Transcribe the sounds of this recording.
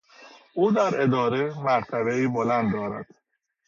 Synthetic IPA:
ʔuːd̪æɾe̞d̪ɒːɾemæɾt̪ʰæbeiːbolænd̪d̪ɒːɾæ̰d̪̥

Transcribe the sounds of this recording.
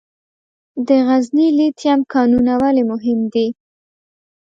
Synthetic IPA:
d̪əɣaznilit̪jamkɑnunawalemʊɦɪmd̪i

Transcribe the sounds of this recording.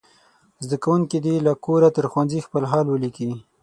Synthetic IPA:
zd̪akawuŋkid̪ilakoɾat̪əɾxwanzixpəlɦɑlwəliki

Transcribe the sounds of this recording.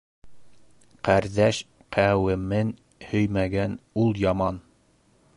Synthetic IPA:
qæɾðæʃ | qʰæwɘ̆mɘn | hɵjmæɡænulˠjɑmɑn

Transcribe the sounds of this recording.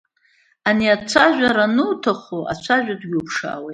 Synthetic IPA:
aniat͡ʃʷʰaʒʷᶣaɾanɨtʰaχoʔat͡ʃʷʰaʒᶣʷadɡʲupʰʂa̰ːwejt

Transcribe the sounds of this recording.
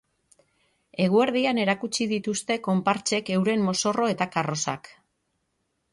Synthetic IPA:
e̞ɣ̞ue̞ɾðiane̞ɾakut͡ʃiðit̪ust̪e̞ko̞mpaɾt͡ʃe̞ke̞wɾe̞mːo̞so̞ro̞e̞t̪akaro̞sa̰k

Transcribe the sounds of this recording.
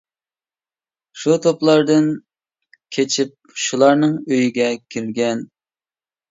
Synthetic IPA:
ʃut̪ʰoplˠɑɾd̪ɨn | kʲʰet͡ʃʰip̚ʃulˠɑɾnɨŋøjiɡʲɛkʲʰiɾɡʲɛn

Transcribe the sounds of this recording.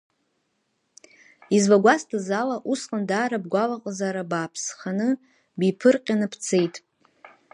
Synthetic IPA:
izvaɡʷastʰazalaʔusqʼandaːɾab̚ɡʷalaqʼzaɾabaːpʰsχanɨ | bipʰɨrqʲʼanɨpʰt͡sʰejtʼ

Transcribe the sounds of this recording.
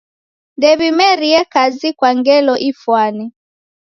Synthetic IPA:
ndɛβimɛɾiɛkazikwaŋɡɛlɔʔifwani

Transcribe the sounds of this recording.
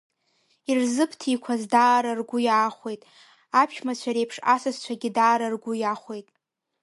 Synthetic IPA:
irzɨpʰtʰikʷʰazdaːɾarɡʷʊjaːχʷe̞jtʼ | apʰʃᶣʰmat͡ʃʷʰaɾejpʰʂasazt͡ʃʷʰaɡʲɪdaːɾarɡʷʊjaχʷe̞jtʼ

